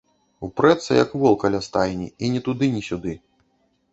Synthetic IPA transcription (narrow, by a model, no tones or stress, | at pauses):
upɾɛt̪sɐjɐ̰kvɔlˠkɐlʲast̪ajnʲḭinʲɛt̪ud̪ɨnʲisʲud̪ɨ